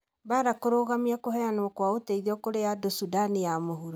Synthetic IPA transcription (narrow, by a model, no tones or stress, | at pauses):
baɾakoɾoːɣamiakoɦɛanwɔkwaoteiðiɔkoɾejadosudanijamoɦuɾo